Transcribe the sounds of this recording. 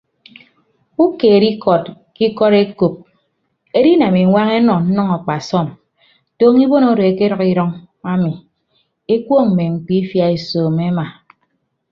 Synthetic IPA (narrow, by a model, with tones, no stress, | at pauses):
u˦ke˨ɾi˦kɔ˨t̚ | ki˦kɔ˦ɾe˦ko˨p̚ | e˦ɾi˦na˨mi˨˦ŋʷa˦ŋe˦nɔ˨n̩˦nɔ˦ŋɔ˨k͡pa˨sɔ˦˨m | to˦ŋi˦bo˦no˦ɾo˨e˨ke˦ɾɔ˨ki˦ɾɔ˦ŋ | a˦mi˨ | e˦kʷo˦ŋm̩˨me˨ŋ͡m̩˨k͡pi˦fja˦e˨soː˨me˦ma˨